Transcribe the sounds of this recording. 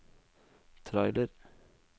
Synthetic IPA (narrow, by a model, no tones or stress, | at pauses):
t̪ʰɾɑɪləɾ